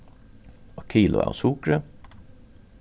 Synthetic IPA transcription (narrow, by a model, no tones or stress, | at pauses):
okʰiːlʔʊ̰æ̰ːo̰sukɾə